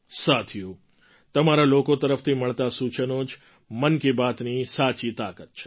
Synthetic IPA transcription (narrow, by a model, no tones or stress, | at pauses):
sat̪ʰiju | t̪əmaɾalokot̪əɾəft̪ʰiməɭt̪asut͡ʃənod͡ʒ | mənkebat̪nisat͡ʃit̪akət̪̚t͡ʃʰe̥